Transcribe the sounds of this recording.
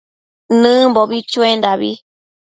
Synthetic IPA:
nɨ̃mboβit͡ʃuend̪aβḭ

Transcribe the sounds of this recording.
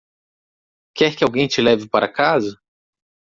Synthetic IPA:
kɛɾkɪawɡẽj̃t͡ʃɪlɛvɪpaɾakazɐ

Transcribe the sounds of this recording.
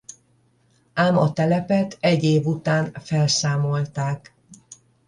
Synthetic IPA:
aːmɒt̪ɛlɛpɛt̪ʰɛɟːeːvut̪aːnfɛlsaːmo̞lt̪aːk

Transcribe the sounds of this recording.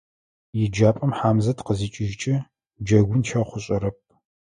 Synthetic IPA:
jɪd͡ʒaːpʼɐmħaːmzɐtqəziːt͡ʃʼɪʒt͡ʃʼɪ | d͡ʒɐɡʷʊnʃɐχʷʊɕʼɐɾɐp̚

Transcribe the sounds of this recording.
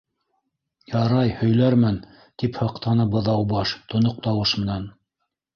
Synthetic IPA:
jɑɾɑjhɵ̆jlæɾmæn | t̪iphɑqt̪ɑnɤbɤ̆ðɑwbɑʃt̪ŏnoq̚t̪ɑwɤʃmɘ̆næn

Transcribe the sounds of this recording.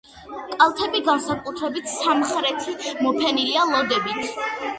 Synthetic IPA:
kʼalˠt̪ʰɛbiɡansakʼut̪ʰɾɛbit̪ʰsamχɾɛt̪ʰimɔpʰɛnilialˠɔd̪ɛbit̪ʰ

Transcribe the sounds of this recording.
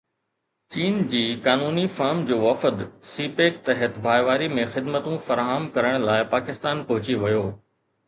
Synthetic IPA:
t͡ɕiːnd͡ʑiːkaːnuːnifaːɾmd͡ʑoːʋɐfəd̪siːpeːk̚t̪ɐɦət̪bʱaːjʋaːɾimẽxɪd̪mət̪ũfɐɾaːɦəmkɐɾəɽ̃laːɪpaːkɪst̪aːnpɐɦʊt͡ɕiʋɐjoː

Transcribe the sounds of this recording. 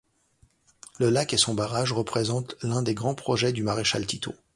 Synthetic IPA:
ləlakesɔ̃baʁaʒʁəpχezɑ̃t̪lɛ̃d̪eɡʁɑ̃pχɔʒɛd̪ymaʁeʃa̰lt̪it̪ʰo̰

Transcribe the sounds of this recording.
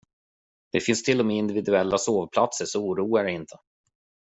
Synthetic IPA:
d̪̥ɛfɪnst̪ʰɪlːɔmeːɪnd̪ɪvɪd̪ɵɛlːasoːvpʰlat̪səʂɔuːɾuːaɖɛɪnt̪ʰə̥

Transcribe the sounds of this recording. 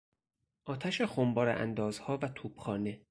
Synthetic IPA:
ʔɒːt̪ʰæʃexombɒːɾḛʔæ̰nd̪ɒːzhɒːvæt̪ʰuːb̥xɒːne

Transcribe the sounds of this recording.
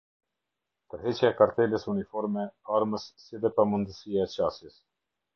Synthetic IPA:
t̪əɾɦɛt͡ɕjaɛkaɾt̪ɛləsunifɔɾmɛaɾməsːiðɛpamund̪əsiaɛt͡ɕasjəs

